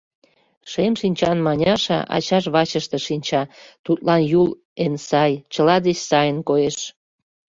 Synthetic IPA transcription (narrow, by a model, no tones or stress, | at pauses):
ʃemʃinʲt͡ɕɑnmɑnʲɑʃɑ̰ʔɑ̰t͡ɕɑʃ̬βɑt͡ɕəʃt̪eʃinʲt͡ɕɑt̪ut̪lɑnjul | ensɑjt͡ɕəlɑd̪et͡ɕsɑjənkojeʃ